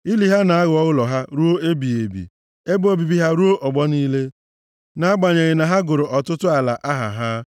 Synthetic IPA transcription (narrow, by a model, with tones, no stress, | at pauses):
i˦li˨ɦa˦na˨a˦ɣʊ˨ɔ˦ɣʊ˦lɔ˨ɦa˦ɾu˦o˦e˦bi˨e˨bḭ˨ | e˦bo˨bi˨bi˦ɦa˦ɾu˦o˦ʔɔ˨ɡ͡bɔ˦niː˦le˦ | na˦a˦ɡ͡ba˨ɲe˨ɣɪ˨na˨ɦa˦ɡʊ˨ɾʊ˨ʔɔ˨tʊ˦tʊ˦a˨la̰˨ʔa˦ɦa̰˨ɦa˦